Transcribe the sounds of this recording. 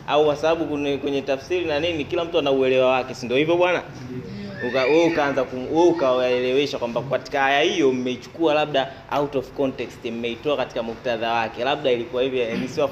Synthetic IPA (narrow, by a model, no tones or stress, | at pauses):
aukwasaɓaɓukukwɛɲɛtafsiɾinaninikilam̩tuanauɛlɛwawakɛsindiɔhivjɔɓwana̰ | ukauɛukaːnzakuuɛukaaɛlɛwɛʃakwambakati̥kahajahijɔm̩mɛit͡ʃu̥kualaɓ̚ɗa | autɔvkɔntɛkstim̩mɛitɔakati̥kamuk̚taðawakɛlaɓ̚ɗailikuwahivjɔnisiwa